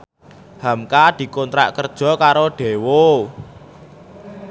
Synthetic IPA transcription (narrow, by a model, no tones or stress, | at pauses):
hamkad̪̥i̤kɔnt̪ɾa̰ʔkərd̥ʒ̥ɔ̤kaɾoɖ̥e̤wo